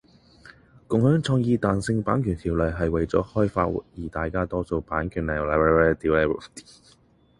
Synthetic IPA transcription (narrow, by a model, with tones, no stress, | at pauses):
kʊ˨ŋhœː˨˥ŋt͡sʰɔː˧ŋjiː˧t̪aː˨˧nsɪ˧ŋpaː˨˥nkʰyː˨˩nt̪ʰiː˨˩wlə˨˩ɦɐ˨jwɐ˨jt͡sɔː˨˥hɔː˥jfa̰ː˧t̚w̰jiː˨˩t̪aː˨jkaː˥t̪ɔː˥so˧wpaː˨˥nkʰyː˨˩nlɛ˨˩la˨˧ɛ˧˥wɛ˥t̪iː˨˥wɛ˥u˨˩t̪